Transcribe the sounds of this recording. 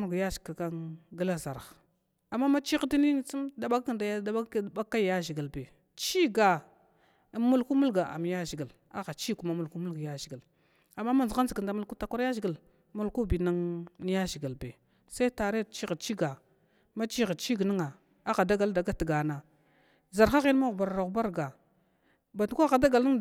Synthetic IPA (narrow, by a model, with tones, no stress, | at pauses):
u˦ɡja˦ʒi̥˨ka˨ka˦ŋɡa˦la˦za˨ɾɣ | a˨mːa˦ma˦t͡ʃi˦ɣdi˦ni˦ni˦t͡su˦mda˨ɓa˦kknda˨jda˦˨ba˦a˦jja˦ʒi˨ɡi˨lbe˨ | t͡ʃi˦ɡa˨˦ | mu˦lku˦mu˦lɡa˨ʔa̰˨m˨ja˦ʒi˨ɡə˨l | a˦ɣa˨t͡ʃi˦ku˦ma˨mu˨lku˦mu˦ɡa˨ja˦ʒi˨ɡə˨l | a˨mːa˦ma˦nza˦zi˨ə˨nda˨mu˦lku˦ta˦kʷa˦ɾja˦ʒi˨ɡa˨l | mu˦lku˦bi˨na˦ŋn˦ja˦ʒi˨ɡi˨lbe˨ | sa˦i˦ta˨ɾe˦˨t͡ʃi˦ɣa˨t͡ʃi˦ɡa˨ | ma˦t͡ʃi˦ɣi˨t͡ʃi˦ɡni˦ŋa˨ | a˦ɣa˨da˦ɡa˨lda˨ɡa˦ti˨ɡa˨na˨ | za˨ɾxa˦ɣi˦n˦ma˦ɣu˨ba˨ɾa˨ɾa˨ba˦ɾɡa˨ | ba˨tu˨kʷa˦ɣa˨da˦ɡa˨ln˦ŋ